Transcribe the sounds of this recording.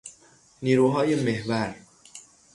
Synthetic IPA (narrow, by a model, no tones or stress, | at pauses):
niːɾuːɦɒːjemehvæɾ